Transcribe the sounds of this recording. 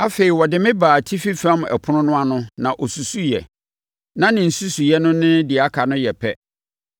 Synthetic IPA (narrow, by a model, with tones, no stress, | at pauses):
a˦fe˨i˨wɔ˨dɪ˦mɪ̃˦baː˨tʰi˦fi˦fa˦m̃˨ʔɛ̰˨pʰʊ˦nʊ̃˦nʊ̃˦a˦nʊ̃˦nã˨ʔɔ˨su˨su˦jɛ̰˨ | nã˦nɪ̃˨n̩˨su˦su˨jɛ˦nʊ̃˦nɪ̃˦dɪ˨a˦kʰa˨nʊ̃˦jɛ˨pʰɛ˦